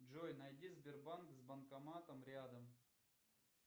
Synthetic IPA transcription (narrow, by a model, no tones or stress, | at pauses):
ʐojnɐjdʲizʲbʲɪrbankzbɐnkɐmat̪əmɾʲad̪əm